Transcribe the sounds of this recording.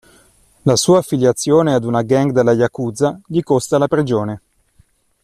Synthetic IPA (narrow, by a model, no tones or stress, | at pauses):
lasuːaːfːiljat̪sːjoːnead̪unaɡɛŋɡd̪elːajakuːd̪zaʎikost̪alapɾid͡ʒoːne